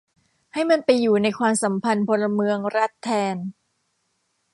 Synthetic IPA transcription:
ha˥˩jma˧npa˧jːuː˨˩na˧jkʰwaː˧msa˩˦mpʰa˧npʰo˧nla˧mɯ˧əŋɾa˦˥t̪ʰːɛː˧n

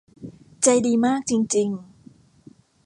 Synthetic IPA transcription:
t͡ɕa˧jdiː˧maː˥˩k̚t͡ɕi˧ŋt͡ɕi˧ŋ

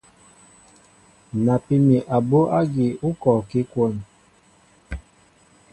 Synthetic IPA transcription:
na˨pi˦mi˨ʔa˨bo˦ʔa˦ɡi˨u˦kɔ˨ki˦kwo˦n

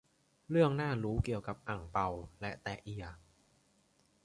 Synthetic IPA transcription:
ɾɯ˥˩əŋnaː˥˩ɾuː˦˥ki˨˩əwka˨˩p̚ʔa˨˩ŋpa˧wlɛ˦˥ʔt̪ɛː˨˩ʔi˨˩ɐ

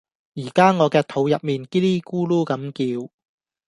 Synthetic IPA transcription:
jiː˨˩kaː˥ŋɔː˨˧kɛː˧t̪ʰo˨˧˥wjɐ˨p̚miː˨nkiː˥liː˥kuː˥luː˥kɐ˨˥mkiː˧w

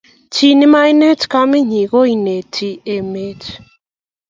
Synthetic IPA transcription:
t͡ʃi˦ni˦ma˦jne˦tka˦mi˦ɲi˨ɣo˦i˦ne˨tʰi˦e˨me˦t

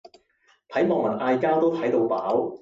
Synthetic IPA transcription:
t̪ʰɐ˨˥jmɔː˨˩ŋmɐ˨˩nʔaː˧jkaː˥wt̪o˥wt̪ʰɐ˨˥jt̪o˧wpaː˨˥w

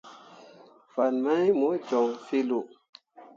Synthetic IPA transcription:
fa˨nma˦jmo˨˦d͡ʒɔ˨ŋfi˦lu˨

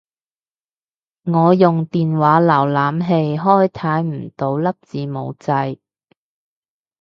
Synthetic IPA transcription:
ŋɔː˨˧jʊ˨ŋt̪iː˨˩nwaː˨˥lɐː˨˩wlaː˨˥mɦe˧jɦɔː˥˩jt̪ʰaː˨˥jm̩˨˩t̪o˨˥wlɐ˥p̚t͡siː˨˧mo̰˨˧wt͡sɐ˧j

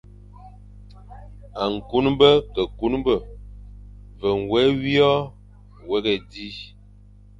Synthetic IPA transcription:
a˨ŋ̩˨ku˦nbə˦kə˨ku˦nbə˦˨ | və˨ŋ˨wɛ˨˦wjɔ˦˨ | wɛ˦ɡɛ˨di˦

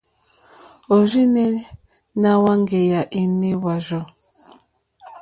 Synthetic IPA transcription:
o˨ʒi˦ne˦ | na˦wa˦ŋ˦ɡe˨ja˨ʔi˦ne˦wa˨ʒo˦˨

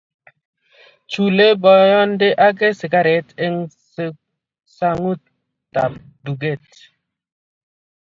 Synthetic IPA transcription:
t͡ʃu˨le˦bɔ˨jɔ˦nde˦ʔa˦k̬e˦si˨ɡa˦ɾe˨˦te˦ŋ˦ | sa˦ŋu˦t | ta̰˨p̚ | du˨ɡe˦˨t̚

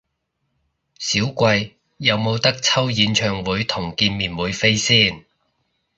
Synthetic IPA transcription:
siː˨˥wkʷɐ˧jː | ɐ˨˧wmo˨˧wt̪ɐ˥k̚t͡sʰɐ˥wjiː˨˧nt͡ʃʰœː˨˩ŋwuː˨˧jt̪ʰʊ˨˩ŋkiː˧nmiː˨˩nwuː˨˧jfe˥jsiː˥˩n

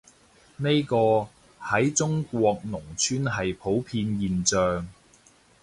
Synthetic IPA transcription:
ne˥jkɔː˧ | hɐ˨˥jt͡sʊ˥ŋkʷwɔː˧k̚nʊ˨˩ŋt͡ʃʰyː˥nɦɐ˨jpʰo˨˥wpʰiː˧njiː˨nt͡sœː˨ŋ

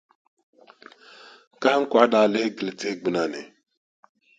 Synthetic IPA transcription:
ka˦ŋ̩˦kʷa˨˦da˨le˦hɡle˨te˦ɡ͡bi˨na˦nḛ˨

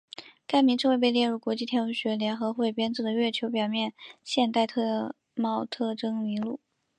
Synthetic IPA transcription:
ka˥˩ɪmi˧˥ŋʈ͡ʂɤ˥˧ŋwe˥˧ɪpe˥˧ɪljɛ˥˧ɻu˥˩kwɔ˧˥t͡ɕi˥˩t̪ʰjɑ˧˥˧ɕɥɛ˧˥ljɛ˧˥nxɤ˧˥xwe˥˩ɪpjɛ˥nt͡s̩˥˩d̪ə˩ɥɛ˥˩t͡ɕʰjo˧˥p̬jɑ˨˩ʊmjɛ˥˩nɕjɛ˥˧nt̪a˥˧ɪt̪ʰɤ˥˧ | mɑ˥˧ʊt̪ʰɤ˥˧ʈ͡ʂɤ˥ŋmi˧˥ŋlu˥˩

